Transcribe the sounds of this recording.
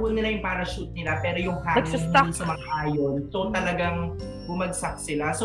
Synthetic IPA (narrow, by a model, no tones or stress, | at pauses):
wɐnːɪlajʊŋpaːɾɐʃut̪̚nɪlapɛːɾo̞jʊŋhaːnsnsɐmɐaʔaːjonsot̪ɐlɐɡaŋ | bʊmɐɡ̚sɐk̚sɪlaso